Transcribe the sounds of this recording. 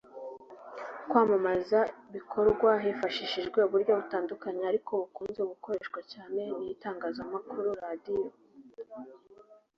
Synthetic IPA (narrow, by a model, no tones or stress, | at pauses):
kwaːmamazaβikʰo̞ɾɡwaɦefaʃiʃiʒɡwe̞uβuɾɟo̞βutaːndukaɲeaɾikomukuːnzeumuko̞ɾeʃkwacaːne̞nijitaːŋɡaːzamakuɾuɾadijo̞